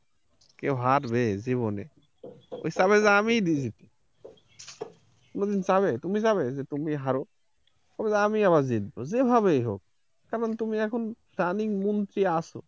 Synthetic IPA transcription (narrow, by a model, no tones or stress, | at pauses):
kewɦat̪beziβonḛ | o̰isaβezamid̪izit̪ʰi̥ | konod̪insaβet̪umisaβezet̪umiɦaɾo | bʰabezamiaβazid̪̚bozebʱaβeɦo̰k̚ | kaɾɔnt̪umiɛkʰonpaniŋmɔnt̪ɾiaso̰